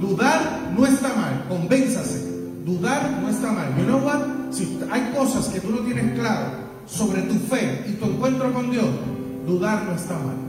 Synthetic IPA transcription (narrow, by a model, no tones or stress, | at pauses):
d̪uðaɾ | noest̪amalko̞mbe̞nsase | d̪uðaɾnoest̪amalmenowasiajko̞saske̞t̪uno̞t̪je̞neŋklaɾo̰ | so̞βɾe̞t̪ufe̞it̪ue̞ŋkwẽ̞nt̪ɾoko̞nd̪jos | d̪uðaɾnoest̪ama̰l